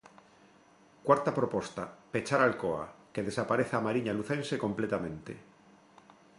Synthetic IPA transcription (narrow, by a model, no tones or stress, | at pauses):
kwaɾt̪apɾopo̞st̪ape̞t͡ʃaɾalkoa̰ke̞ðe̞sapaɾe̞θaːmaɾiɲaluθe̞nse̞kõ̞mplet̪amẽ̞nt̪ḛ